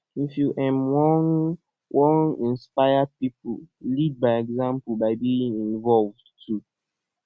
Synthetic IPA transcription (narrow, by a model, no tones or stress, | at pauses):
ifjuʔɛ̃mwɔn | wʔɔ̃nĩnspaɪad̚pipulid̚baɪɛɡzãmpubaɪbiĩŋĩnvɔlvdtʰu